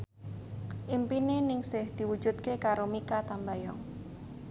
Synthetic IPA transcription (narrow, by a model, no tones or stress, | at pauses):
ʔimpinenɪŋsɪhd̪̥i̤wud̥ʒ̥ṳt̪̚kekaɾomikat̪ambajɔ̰ŋ